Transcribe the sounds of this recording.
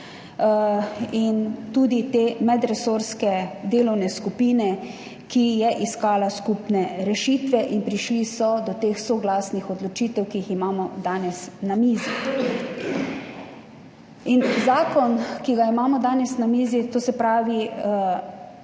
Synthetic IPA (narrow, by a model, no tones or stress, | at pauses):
int̪uːd̪it̪eːmɛd̪ɾɛsoɾskɛd̪eːlɔwnɛskupiːnɛ | kijɛʔiskaːlaskupnɛɾɛʃiːt̪ʋɛʔinpɾiʃlisɔd̪ɔt̪eːxsoɡlaːsnixɔd̪lɔt͡ʃiːt̪ɛwkijiximaːmɔd̪aːnɛsnamiːzi | inzaːkɔnkiɡaimaːmɔd̪aːnɛsnamiːzit̪oːsɛpɾaːʋi